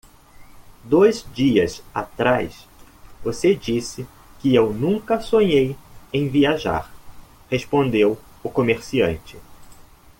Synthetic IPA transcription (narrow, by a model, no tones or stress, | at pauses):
d̪ojzd͡ʒiɐza̰t̪ɾajs | vosed͡ʒisɪ | kɪewnũŋkɐsõɲejẽj̃viaʒa̰ɾ | hespõnd̪ew | ʊkomeɾsiɐ̰̃nt͡ʃɪ